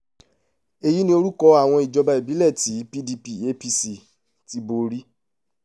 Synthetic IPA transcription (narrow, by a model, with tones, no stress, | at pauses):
e˧ji˨˦nĩ˦o˧ɾu˦kɔ˧a˦˨w̃ɔ̃˧i˨d͡ʒɔ˧ba˧i˨bi˨˦lɛ˦˨ti˨˦pi˦di˧pi˦e˦pi˧si˨ | ti˧˦bo˧ɾi˦